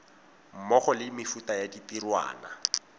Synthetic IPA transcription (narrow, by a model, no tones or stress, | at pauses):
m̩mɔχɔlɪmɪfutajaditirwa̰ːna